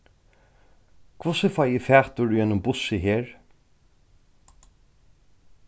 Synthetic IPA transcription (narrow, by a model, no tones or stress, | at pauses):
kʰvʊsɪfajɪfæːht̪ʊɾjɛnːʊmbʊsɪɦeːɹ